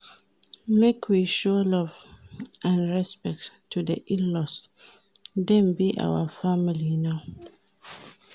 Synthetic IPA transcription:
mekʰwiʃɔlɔv | ãnɹɛspɛk̚ttʰːudəʔilːɔs | dɛ̃nbiʔa̰wəfamilinaʊ

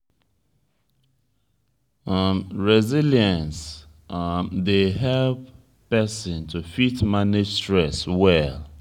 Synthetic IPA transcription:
amɹɛziljə̃ns | mdeɦɛlp | pɛsɔ̃ntʰufitmaned͡ʒstɹɛswɛl

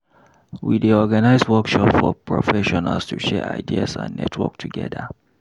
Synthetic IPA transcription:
wideɔɡanaɪzwɔkʃɔpfɔpʰɹɔ̰fɛʃɔnalstʰuʃɛɹa̰ɪdia̰sã̰nːɛ̰tʰwɔ̰k̚tʰuɡɛ̰ðə

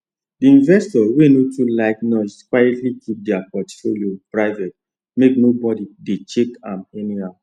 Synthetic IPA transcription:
diĩnvɛstɔwenotʰulaɪknɔskwajɛtlikʰip̚dɛapɔtfoliopɹaɪvɛt̚ | meknobɔdidet͡ʃekãmɛnihaʊ

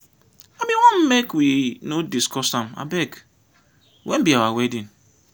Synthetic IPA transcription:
amĩwanm̩mekwinodiskɔsam̩a̰bɛk | wʔem̩biawawedin̩

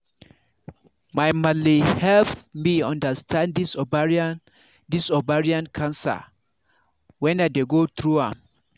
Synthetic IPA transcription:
majmalihɛlpmiãndəstʰãndisbaɹ | disɔbaɹiãnkʰãnsa̰ | wɛ̃nad̪eɡot̪ɹuãm

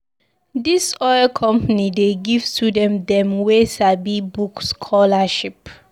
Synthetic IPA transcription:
disɔɪlkʰɔ̃mpanideɡivtʰudɛ̃mdɛ̃mwesabibukskʰɔlaʃip

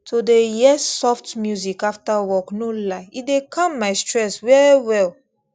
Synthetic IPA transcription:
tʰodejɛsɔftmjuzikaftawɔknolaɪidekʰɔ̃mːaɪstɹɛswɛiwɛl

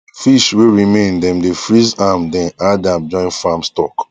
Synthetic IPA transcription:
fiʃweɹimẽndɛ̃mdefɹizamdɛ̃nadãmd͡ʒɔ̃ɪ̃nfamstɔk

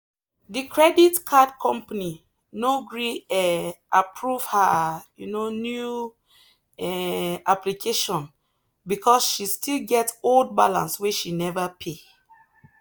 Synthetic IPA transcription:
dikʰɹɛditkʰad̚kʰɔ̃mpani | noɡɹiɛʔapʰɹuv̥həjunonju | ɛʔaplikʰeʃɔ̃n | bikʰɔsʃistilɡɛtsold̚balã̰nsweʃinɛvəpʰe

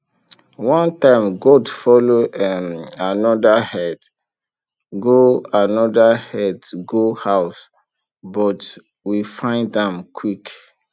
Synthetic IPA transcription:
wɔ̃ntãɪ̃mɡodfɔloɛmanɔdahɛd | ɡoanɔdahɛdɡohaʊs | bɔt | wifãɪ̃ndðɛ̃mkʰwik

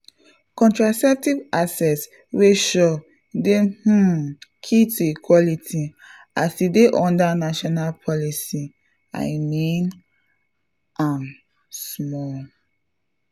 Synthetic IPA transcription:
kɔ̃ntɹasɛk̚tivasɛts | weʃɔ | deh̩kʰituikʰwɔlitʰi | asdideʔɔ̃ndanaʃɔnalpʰɔlisi | ã̰ɪmẽn | ãn | smɔl

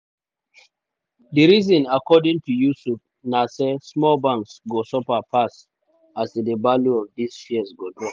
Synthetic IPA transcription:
diɹizɔ̃nakɔdĩŋtujusup̚ | nasɛsmɔlbãŋksɡosɔpapʰas | asidəbaluɔvdisfiɛsɡodɹɔ̃

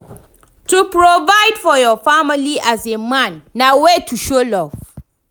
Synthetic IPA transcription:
tupɹovaɪdfɔjɔfamɪliʔazemãnːawetʰuʃolɔv

